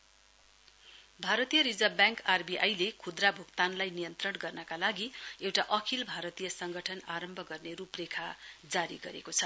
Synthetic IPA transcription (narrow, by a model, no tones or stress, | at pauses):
bʱaɾʌt̪ijʌɾid͡zʌbjãŋkarbiʔa̰jlekʰud̪rabʱukt̪anlajnijʌnt̪rʌnɡʌrnʌkalaɡiewʈaʔʌkʰilbʱaɾʌt̪ijʌsʌŋɡʌʈʰʌnaɾʌmbʱʌɡʌrneɾuprekʰad͡zaɾiɡʌɾekot͡sʰʌ